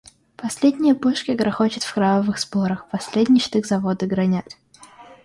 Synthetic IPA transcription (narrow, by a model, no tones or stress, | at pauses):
pɐsʲlʲedʲnʲɪjəpoʂkʲɪɡɾɐxot͡ɕɪt̪fkɾavəvɨxspoɾəxpɐsʲlʲedʲnʲɪt͡ɕt̪ɨɣzɐvod̪ɨɡɾɐnʲætʲ